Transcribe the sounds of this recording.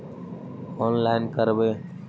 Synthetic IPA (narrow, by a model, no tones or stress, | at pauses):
ɔnlaɪnkəɾbe